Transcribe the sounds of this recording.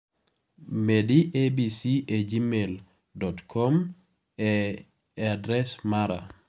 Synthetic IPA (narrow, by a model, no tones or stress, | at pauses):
mediʔebisied͡ʒimel | dɔtkʰɔm | ɛ | adɾɛsmaɾa̰